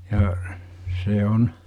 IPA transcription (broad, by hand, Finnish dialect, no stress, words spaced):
jɑ se on